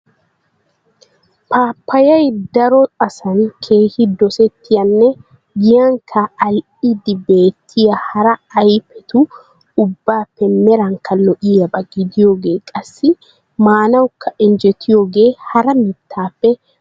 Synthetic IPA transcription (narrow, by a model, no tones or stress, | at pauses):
pʰaːpːɐjɐjd̪ɐɾɔtʼɐsɐnkʰe̞ːhɪd̪ɔsɛt̪ːɪjɐnːɛ | ɡɪjɐŋkʰɐːl | ɪd̪ɪbe̞ːt̪ʰːɪjɐhɐɾɐɐjfɛt̪ʊ | ʊbːaːpːɛmɛɾɐŋkːɐlɔʔɪjɐbɐɡɪd̪ɪjoːɡe̞ːkʼɐsːɪ | maːnɐwkːɐʔɪnd͡ʒɛt̪ʰːɪjoːɡe̞ːhɐɾɐmɪt̪ʰːaːpːɛ